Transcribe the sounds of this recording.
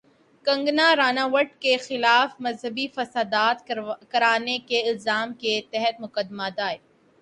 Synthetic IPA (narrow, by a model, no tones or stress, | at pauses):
kɐ̃ŋɡnaɾaːnaːʋəʈkexɪlaːfmɐzɦəbifɐsaːd̪aːt̪kɐɾaːnekeɪlzaːmket̪ɛɦət̪mʊkəd̪mad̪aːe